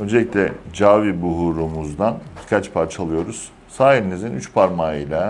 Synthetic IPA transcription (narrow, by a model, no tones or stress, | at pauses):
ø̞nd͡ʒelʲicʲlʲɛd͡ʒaːvibuɦuɾumuzd̪anbikʰat͡ʃpʰaɾt͡ʃʰalˠɯjo̞ɾuz̥ | saːɦiɾinizinyt͡ʃpʰaɾmaijlʲa